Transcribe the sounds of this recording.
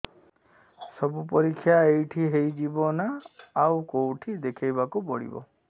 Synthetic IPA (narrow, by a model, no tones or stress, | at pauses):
sɔbupɔɾikʰːjaejʈʰiɦejd͡ʒibɔnaːwkowʈʰid̪ekʰajbakupɔɽḭbɔ̰